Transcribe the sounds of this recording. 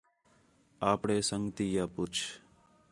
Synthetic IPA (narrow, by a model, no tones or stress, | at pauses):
aːpɽeːsə̃ŋɡt̪ijapʊt͡ʃʰ